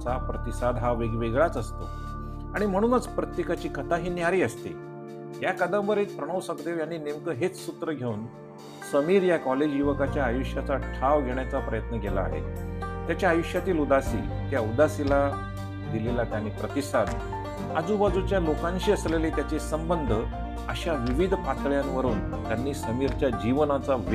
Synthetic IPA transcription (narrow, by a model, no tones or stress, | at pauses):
t͡sapɾət̪isad̪ɦaʋeɡʋeɡɭat͡səst̪o̰ | aɽ̃im̤əɽ̃uːnət͡spɾət̪jekat͡ɕiːkʰət̪aɦiːnjaɾiːəst̪ḛ | jakad̪ə̃ʋəɾɦet̪̚pɾəɽ̃əʋsəkd̪eʋjanːiːnemkəɦet͡ssut̪ɾəɡʱeuːn | səmiːɾjakɔled͡ʑjuʋəkat͡ɕjaːjuʂjat͡saʈʰaʋɡʱeɳjat͡sapɾəjət̪nəkela̰ːɦḛt̪jat͡ɕjaːjuʂjat̪iːlud̪asḭː | t̪jaud̪asila | d̪ilelat̪janiːpɾət̪isad̪ | a̰d͡zuːbad͡zut͡ɕjalokãnɕiːəslelet̪jat͡ɕesəmbənd̪ʱə | əɕaʋiʋid̪ʱpat̪ɭjanʋəɾuːn | t̪janːiːsəmiːɾt͡ɕjad͡ʑiʋənat͡saʋ